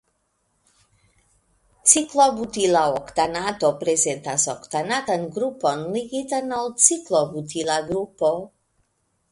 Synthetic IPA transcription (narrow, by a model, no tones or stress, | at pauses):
t͡siklobut̪ilaokt̪anat̪opɾezent̪asokt̪anat̪anɡɾuponliɡit̪analt͡siklobut̪ʰilaɡɾupo